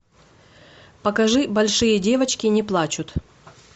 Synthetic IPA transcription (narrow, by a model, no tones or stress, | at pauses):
pɐkɐʐɨbɐlʲʂɨjədʲe̞vət͡ɕkʲɪnʲɪplˠat͡ɕʊt̪